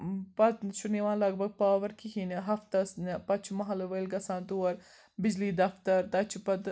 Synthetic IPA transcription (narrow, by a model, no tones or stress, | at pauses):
pɐt̪ʃuniʋãːnlɐɡ̚bʱɐɡ̚paːʋɐɾkʰiɦinɦɐft̪ɐsnpɐt͡ʃʰmɐɦɐlɐʋəjlɡɐsãːnt̪uwɐɾ | bɪd͡ʒliːd̪ɐft̪ɐɾt̪ɐt͡ʃʰpɐt̪